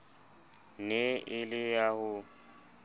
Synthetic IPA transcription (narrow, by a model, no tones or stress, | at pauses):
neɪlɪjahʊ